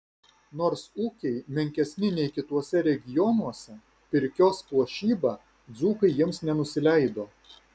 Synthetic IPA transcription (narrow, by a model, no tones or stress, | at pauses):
noːɾsuːkʲɛɪmʲɛŋʲkʲɛsʲnʲɪnʲɛɪkʲɪt̪uɔsʲɛɾʲɛɡʲɪjɔnuɔsʲɛ | pʲɪɾʲkʲoːspuɔʃʲiːbɑː | d̪zuːkɐɪjɪmsnʲɛnʊsʲɪlʲɛˑɪd̪oː